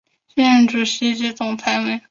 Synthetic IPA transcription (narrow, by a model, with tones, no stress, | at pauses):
ɕɛ˥ɻə˥nʈ͡ʂu˨˩ɕi˧˥t͡ɕi˥t͡sʊ˨˩ŋt͡sʰa˥ɪme˥˩